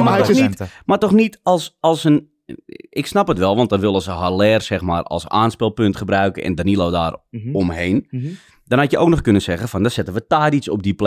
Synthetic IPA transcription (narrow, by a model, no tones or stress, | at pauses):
maɔnimartɔxnitɔlˠsɑlˠsən | ɪksnapətʋɛlˠʋɔntdɔnʋɪlˠəsəɦalɛːrsɛxma̰ːrɔ̰lˠsaːnspɪlˠpøntχəbrœɥkənɛ̰ndanilˠoːda̰ːrɔmhejn | d̥ɔnhatjəʔowknɔχkønənsɛɣəfɔndɔsɛtənʋətaːdisɔ̰b̚dipl